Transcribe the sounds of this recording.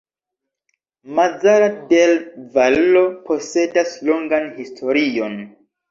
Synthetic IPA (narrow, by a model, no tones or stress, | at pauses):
mad͡zaɾadelvalːo̞pʰo̞se̞daslo̞ŋɡanhistʰo̞ɾio̞n